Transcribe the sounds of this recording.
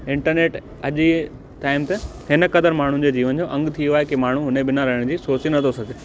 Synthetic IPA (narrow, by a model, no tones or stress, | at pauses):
ɪ̃ɳʈəɾneːʈ | ɐʄi | t̪aːɪmt̪ɐhɪnəkɐd̪əɾmaːɳ̤ʊ̃d͡ʑeːd͡ʑiːʋənd͡ʑoːʔɐ̃ŋɡt̪ʰijoaːɦekemaːɳ̤ũɦʊnẽbɪnaɾɐɦɪɽ̃d͡ʑiːsoːt͡ɕinɐt̪ʰosɐɡʱe